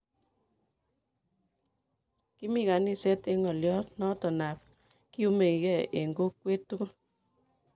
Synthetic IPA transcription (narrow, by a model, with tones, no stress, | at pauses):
ki˦mi˦˨ka˨ni˦˨sɛ˦te˦ŋɔ˨ljɔ˦tnɔ˦tɔ˨na˨p̚ | ki˦u˦me˨ki˨kɛ˦˨e˨ŋɡo˦kːwe˦tːu˦ko˦